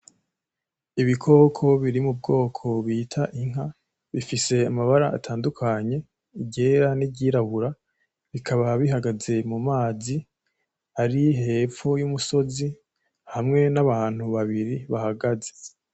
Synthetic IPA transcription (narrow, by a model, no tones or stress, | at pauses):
iβikʰo̞ːkʰo̞βiɾimub̚ɡo̞ːkʰo̞βiːtʰaʔiŋ̥ɦa | βifise̞amaβaɾaʔa̰tʰaːndukʰaɲe̞ | iɟeɾaniɟiːɾaβuɾa | βikʰaβaβiɦaɡaze̞mumaːzi | aɾiɦe̞ːfojumuso̞zi | hamŋe̞naβaːn̥huβaβiɾiβahaɡaze̞̥